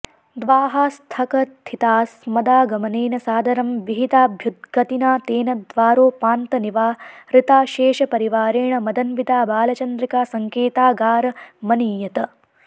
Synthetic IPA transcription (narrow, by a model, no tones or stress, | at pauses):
d̪ʋaːɦaːst̪ʰɐkɐt̪ʰːit̪aːsmɐd̪aːɡɐmɐneːnɐsaːd̪ʱɐɾɐmʋiɦit̪aːbʱjud̪̚ɡɐt̪inaːt̪eːnɐd̪ʋaːɾoːpaːnt̪ɐniʋaːɾɪt̪aːʃeːʃɐpɐɾiʋaːɾeːɳɐmɐd̪ɐnbid̪aːbaːlɐt͡ʃɐnd̪ɾikaːsɐŋkeːt̪aːɡaːɾɐmɐniːjɐt̪ɐ